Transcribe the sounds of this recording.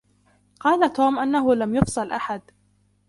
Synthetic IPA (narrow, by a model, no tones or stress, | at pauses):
qɑːlat̪oːmʔanːaɦʊlamjʊfsˤɨlʔaħad̪